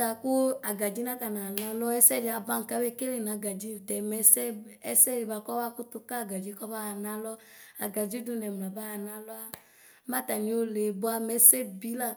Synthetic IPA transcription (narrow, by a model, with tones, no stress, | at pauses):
a˨ku˦a˨ɡa˨d͡ʒi˦na˦ka˨na˨na˦lɔ˦ɛ˦sɛ˦˨di˨a˨ba˦ŋ̩˨ka˦we˦˨ke˦le˨na˨˦ɡa˨d͡ʒi˦˨tɛ˨mɛ˨˦sɛ˦ɛ˦sɛ˦ɾi˨ba˨kɔ˦wa˦ku˦t̪u˦ka˦a˨ɡa˨d͡ʒi˦kɔ˦ba˦a˨na˦lɔ˦ | a˨ɡa˨d͡ʒi˦du˦nɛ˨m˨la˨ba˦a˨na˦lɔ˦a˦ | ma˦ta˨ni˨˦o˦le˨bʊ˦a˦mɛ˨˦sɛ˦bi˨˦la˦